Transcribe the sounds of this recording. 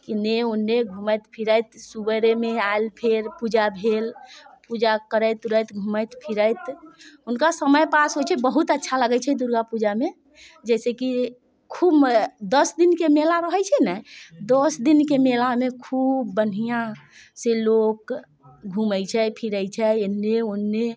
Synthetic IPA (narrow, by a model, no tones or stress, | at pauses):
kineunːeɡʱuməjt̪pʰiɾəjt̪subəɾemeaelpʰeɾpud͡ʒabʱelpud͡ʒakəɾəjt̪uɾəjt̪ɡʱuməjt̪pʰiɾəjt̪unkasəməjpasɦot͡ʃʰɛbəɦut̪ətːʃʰaləɡɛt͡ʃʰɛd̪uɾɡapud͡ʒame | d͡ʒɛseki | kʰubd̪əsd̪inkemelaɾəɦɛt͡ʃʰɛnɛjd̪osd̪inkemelamekʰubːən̤ijã | selok | ɡʱuməjt͡ʃʰɛpʰiɾəjt͡ʃʰɛenːeonːe